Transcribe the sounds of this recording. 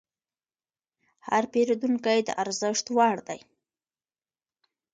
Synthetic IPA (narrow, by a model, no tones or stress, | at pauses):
haɾpeɾod̪uŋkajd̪ə̰ʔaɾzəʂt̪wɑɽd̪aj